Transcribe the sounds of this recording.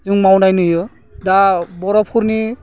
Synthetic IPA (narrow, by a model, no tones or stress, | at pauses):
zuŋmawnajnɯjɯ | dabɔɾɔpʰuɾni